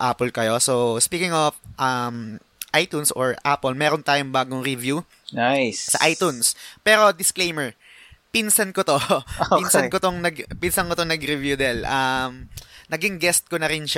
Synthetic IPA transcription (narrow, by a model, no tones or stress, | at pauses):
ʔapɛlkɐjo̞sospiːkɪŋofʔɐm | ʔajt̪unsoɹapɛlmɛːɾont̪aːjoŋbaːɡoŋɾɪvju | najssɐ̰ʔajt̪unspɛːɾo̞d̪ɪsklejmɛɹ | pinsɐnkot̪oinsɐnkot̪oŋnɐɡpinsɐnkot̪oŋnɐɡɾɪvjud̪ɛlʔɐmnɐɡɪŋɡɛst̪̚konɐɾɪnʃ